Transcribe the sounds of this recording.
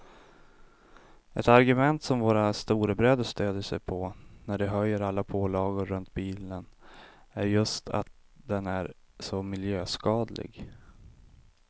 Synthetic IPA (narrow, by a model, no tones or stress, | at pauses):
ɛt̪aɾɡɵmɛnt̪sɔmvoːɾast̪uːɾəbɾøːd̪əʂt̪øːd̪əʂɛjpʰɔnæɖɛɦœjːəɾalːapʰoːlɑːɡʊɾɵnt̪̚biːlən | æɾjɵst̪ʰa̰t̪̚d̪ɛnæɾ | sɔmɪljøːskɑːd̪lɪ̰ɡ